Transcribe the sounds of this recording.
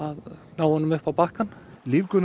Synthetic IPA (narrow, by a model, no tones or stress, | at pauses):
aðnawhɔnʏmʏhpawpahkanliːvkʏn